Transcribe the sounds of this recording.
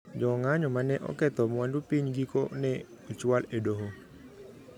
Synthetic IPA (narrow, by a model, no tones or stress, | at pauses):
d͡ʒɔŋaɲɔmanɛʔɔ̰kɛt̪ɔmɔwandupiɲɡikɔnɛ | ɔt͡ʃualɛdoɦo